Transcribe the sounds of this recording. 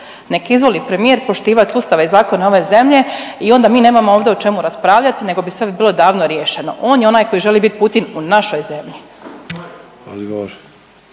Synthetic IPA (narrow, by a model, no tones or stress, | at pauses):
nekizʋo̞lˠipɾe̞mijeɾpo̞ʃt̪iːʋat̪ʲust̪aʋeizaːko̞neo̞ʋe̞ze̞mʎe̞io̞nd̪amiːne̞ːmamooːʋd̪eot͡ʃe̞muɾaspɾaːʋʎat̪ine̞ɡo̞bisʋe̞bilˠo̞d̪aːʋnoɾjeʃeno̞̰ʔo̞ːnjeo̞naːjko̞jiʒe̞libit̪̚put̪inunaʃo̞jze̞mʎi | od̪ɡooɾ